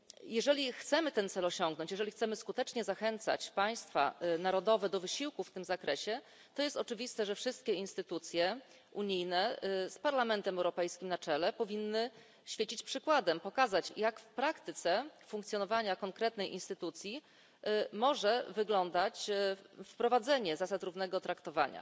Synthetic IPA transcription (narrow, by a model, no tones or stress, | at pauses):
jɛʐɛlʲixt̪sɛmɘt̪ɛnt̪sɛlɔɕɔŋɡ̚nɔɲt͡ɕjɛʐɛlʲixt̪sɛmɘskut̪ɛt͡ʂɲɛzaxɛnt̪sa̰t͡ɕpaj̃st̪fa̰naɾɔd̪ɔvɛd̪ɔvɘɕiwkufːt̪ɘmzakɾɛɕɛ | t̪ɔjɛst̪ɔt͡ʂɘvʲist̪ɛʐɛfʂɘst̪kʲɛinst̪ɘt̪ut̪sʲjɛ | uɲijnɛspaɾlamɛnt̪ɛmɛwɾɔpɛjskʲimnat͡ʂɛlɛpɔvʲinːɘ | ɕfʲjet͡ɕit͡ɕpʂɘkwad̪ɛmpɔkazat͡ɕjakfpɾakt̪ɘt̪sɛfuŋkt̪sʲjɔnɔvaɲakɔŋkɾɛt̪nɛjʔḭnst̪ɘt̪ut̪sʲji | mɔʐɛvɘɡlɔnd̪at͡ɕfpɾɔvad̪zɛɲɛzasat̪ɾuvnɛɡɔt̪ɾakt̪ɔva̰ɲa̰